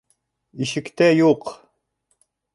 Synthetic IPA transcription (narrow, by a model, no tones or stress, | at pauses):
iʃɘ̆kt̪æjuq